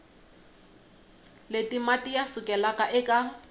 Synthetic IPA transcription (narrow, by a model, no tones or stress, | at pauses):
letʼimatʼijasʊkʼɛlakʼaʔɪkʼa